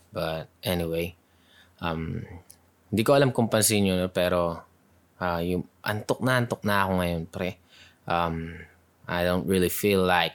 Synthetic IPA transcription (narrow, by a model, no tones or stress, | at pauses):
bɐt̪̚ʔɛniwej | ʔɐm | hɪnd̪iːkoʔɐlamkʊmpɐnsiɲonopɛːɾo̞ | ʔajʊŋʔɐ̰nt̪ok̚nɐʔɐnt̪ok̚nɐːkoŋɐjonpɐɾɛ | ʔɐm | ʔa̰jd̪õʊ̃nt̪̚ɹilifilːaɪk̚